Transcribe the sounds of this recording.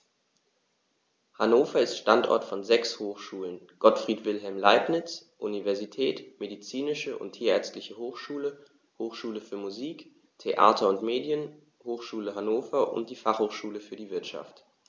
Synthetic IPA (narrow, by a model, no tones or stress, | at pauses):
hanoːfɐɪstʃtantʔɔ̰ɐtfɔnzɛkshoːxʃuːlən | ɡ̥ɔtfʁ̥iːtv̥ɪlɦɛlmlaɪpnɪt͡sʔṵnivɛɐzitʰɛːtmedit͡siːnɪʃəʔʊ̰ntʰːiːɐɛɐt͡stlɪçəhoːxʃuːlə | hoːxʃuːləfyːɐmuziːk | tʰeʔa̰ːtʰɐʊntmeːdjən | hoːxʃuːləɦanoːfɐʔʊ̰nt̚d̥iːfaχhoːxʃuːləfyːɐdiːvɪɐtʃa̰ft